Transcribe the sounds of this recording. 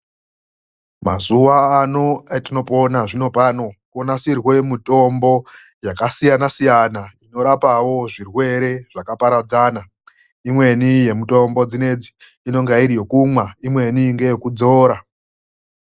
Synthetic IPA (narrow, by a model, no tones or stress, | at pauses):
ma̰zuʋaːnoetino̞ponaʐino̞pano̞konasirwe̞mito̞mbo̞ | jakasijanasijanaino̞ɾapawo̞ʐirwe̞ɾe̞ʐ̥akapaɾad͡zaːna | imwe̞nije̞mito̞mbo̞d͡zine̞d͡zi̥ː | no̞ŋɡaiɾijokumwaimwe̞niŋɡejokud͡zo̞ːɾa